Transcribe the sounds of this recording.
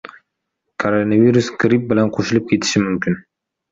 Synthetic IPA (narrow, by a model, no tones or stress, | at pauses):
kʰoɾonavʲiɾusɡɾʲip̚bɪlænqʰoʃɪlˠɪp̚kʲʰe̞t̪ʰɪ̥ʃɪmʏmkʲɪn